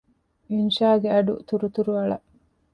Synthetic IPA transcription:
inʃaːɡeɐɖṵt̪uɾut̪uɾuɐɭɐʔ

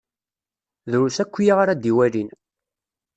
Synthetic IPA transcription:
ðɾusækʷːjaʁaɾad̪iwælin

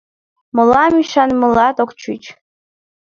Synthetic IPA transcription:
mɨlamiʃanmɨlɑt̪okʷt͡ʃʰut͡ʃʰ

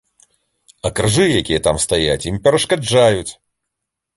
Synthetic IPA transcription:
ɐkɾɨʐɨjakʲijɛt̪amst̪aja̰t͡sʲjimpʲɛɾɐʂkad͡ʐajut͡sʲ

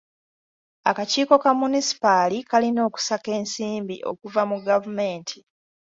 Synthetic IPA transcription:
akaciːko̞kamunisi̥palikalino̞ːku̥sake̞ːnsiːmbiʔo̞̰kuvamuɡavume̞ːntʰi

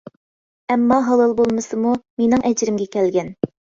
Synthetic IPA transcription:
ɛmːɑɦɑlˠɑlˠbolˠmɨsɨmumenɪŋɛd͡ʒɾɪmɡʲɛkʲʰɛlɡʲɛn

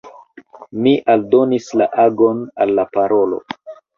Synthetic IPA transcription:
miʔaldo̞nislaʔaɡo̞nalːapaɾo̞lo̞̰

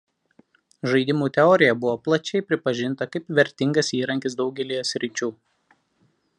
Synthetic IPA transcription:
ʒɐɪd̪ʲɪmuːt̪ʲɛɔːɾʲɪjɛbʊʋoːplˠɐt͡ʃʲɛɪpʲɾʲɪpɐʒʲɪnt̪ɐkɐɪpʋʲɛɾʲt̪ʲɪŋɡɐsiːɾɐŋʲkʲɪsd̪ɒʊɡʲɛlʲiːjosʲɾʲɪt͡ʃʲuː

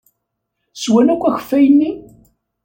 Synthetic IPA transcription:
swænækʷːæçə̥fːæjənːi

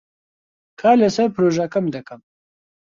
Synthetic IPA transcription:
kʰaːlesɐpɾoʒakɐmd̪ɐkɐm

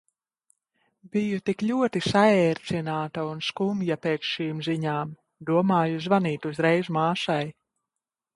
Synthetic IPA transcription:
bijut̪ikʎʲuɔt̪isaɛːɾt̪sinaːt̪aunskumjapeːt̪sʃiːmziɲaːm | d̪uɔmaːjuzvaniːt̪uzɾɛjzumaːʃaj

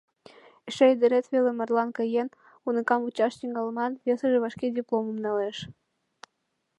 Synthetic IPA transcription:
iʃejd̪eɾet̪vʲelʲemɑrlˠɑnkɤjen | unəkɑmut͡ɕɑʃt̪iŋɡɑlˠmɑnvʲesəʒĕβɑʃkʲedʲiplˠomumnɑleʃ

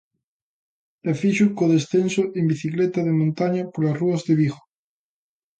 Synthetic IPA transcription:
afiʃukoðesθensoʔembiθiklet̪aðemõnt̪aɲapoɾlasruazðeβiɣo̥

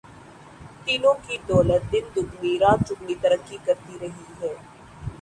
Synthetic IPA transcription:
t̪iːnõkid̪ɔːlət̪̚d̪ɪnd̪ʊkniɾaːt͡ʃʊknit̪ɐɾəkːikɐɾt̪iɾɐɦiɦɛː

